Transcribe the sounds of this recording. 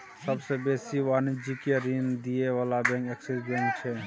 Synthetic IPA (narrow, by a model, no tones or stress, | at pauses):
sɐbsebeːsiʋaːnɪd͡ʒikeɾiːnd̪ieʋaːlabɛ̃ːŋkɛːksɛsbɛ̃ːŋk̚t͡ʃʰeː